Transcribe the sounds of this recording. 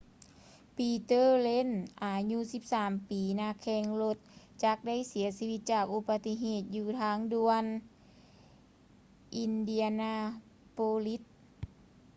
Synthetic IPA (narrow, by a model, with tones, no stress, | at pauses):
piː˧˩t̪ɤː˧˥˨le˧˥˨nʔaː˨˩ɲu˧˥si˧˥p̚saː˩˦mpiː˨˩naː˧kʰɛː˧˩ŋlo˧t̪̚ | t͡ɕa˧˩k̚da˥˨jsi˩˦ɐsi˧ʋi˧t̪̚t͡ɕaː˨˩k̚ʔu˧pa˧t̪i˧ɦeː˧˩t̪̚juː˧˩t̪ʰaː˧˥ŋdu˧ən | ʔi˧ndi˧a˧naː˧ | poː˧li˧˦˥t̪̚